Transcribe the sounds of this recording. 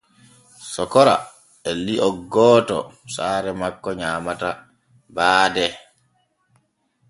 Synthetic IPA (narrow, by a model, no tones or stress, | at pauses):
sɔkɔɾa̰ | ɛliʔɔɡɔːtɔ̰saːɾɛmakːɔɲaːmata | baːdɛ